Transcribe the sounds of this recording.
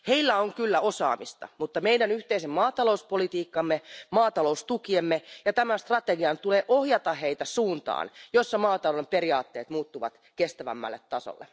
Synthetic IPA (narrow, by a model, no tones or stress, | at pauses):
heilːæoŋkylːæosɑ̰ːmist̪ɑ̰mut̪ːɑmeidænyht̪eisemmɑːt̪ɑlouspolit̪iːkːɑmːemɑːt̪ɑloust̪ukiemːejɑt̪æmænst̪rɑt̪eɡiɑnt̪uleːʔohjɑt̪ɑhheit̪æsuːnt̪ɑ̰ːnjosːɑmɑːt̪ɑlolːemperiɑːt̪ːeːt̪muːt̪ːuʋɑ̰t̪kest̪æʋæ̰mːæ̰lːet̪tɑso̰lːe